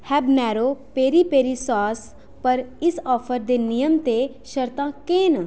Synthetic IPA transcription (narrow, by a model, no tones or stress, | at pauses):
hɛːbnɛːɾoːpeːɾiːpeːɾiːsaːs | pəɾɪsɔːpʰəɾd̪eːnɪjəmt̪eː | ʃəɾt̪ãːkeːn